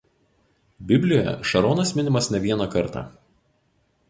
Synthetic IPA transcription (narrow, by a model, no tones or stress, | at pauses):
bʲɪbʲlʲɪjojɛ̰ʃɐɾoːnɐsmʲɪnʲɪmɐsnʲɛʋʲiɛnɐkɐɾt̪ɑ̰ː